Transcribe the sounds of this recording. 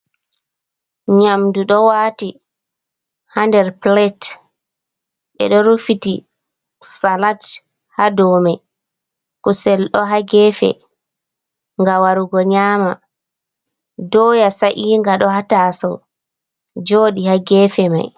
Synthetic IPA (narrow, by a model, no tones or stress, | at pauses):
ɲamduɗɔwaːti | handɛɾplɛt | ɓɛ̰ɗɔɾufitḭ | salat | hadɔːmaj | kusɛlɗɔɦaɡɛfɛ̰ | ŋɡawaɾuɡɔɲaːma | dɔːjasaʔiːŋɡaɗɔhataːsɔ̰w | d͡ʒoːɗihaɡɛːfɛma̰j